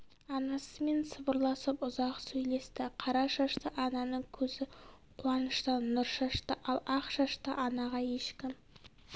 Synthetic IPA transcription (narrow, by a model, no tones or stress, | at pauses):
ɑnɑsəme̞nsəbʊɾlˠɑsəpʊzɑqsɵjle̞st̪ɪqʰɑɾɑʃɑʃt̪əʔɑnɑnəɴkʲʰɵzɪqʰuɑnəʃt̪ənːʊɾʃɑʃt̪əʔɑlˠɑqʃɑʃt̪əʔɑnɑʁɑje̞ʃkʲɪm